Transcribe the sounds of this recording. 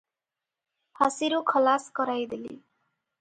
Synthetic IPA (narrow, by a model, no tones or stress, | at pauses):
pʰasiɾukʰʌlaskʌɾajd̪elḭ